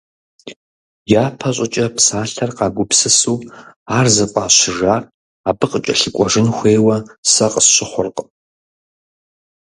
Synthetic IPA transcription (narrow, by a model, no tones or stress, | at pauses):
jaːpʰɐɕʷʼɪt͡ʃʼɐpʰsaːɬʰɐrqaːɡʷʊpsɨsuːaːrzɐqʷʼaːɕɪʒaːr | abɨqʼət͡ʃʼɐ̰ɬɨkʷʼɔʒɨnxʷeːwɐsɐqʼəsɕʷɪχʷʊrqʼ